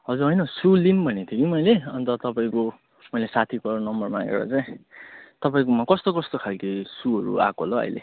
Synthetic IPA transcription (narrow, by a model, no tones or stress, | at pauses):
ɦʌd͡zuɦʌjnʌsulinbʱʌnet̪ʰjokimʌjleʌnt̪ʌt̪ʌpaĩko | mʌjlesat̪ʰikʌnʌmbʌrmaɡḛɾʌ̰t͡saĩt̪ʌpaĩkomakʌst̪okʌst̪okʰalkesuɦʌɾṵa̰koloʌ̰jlḛ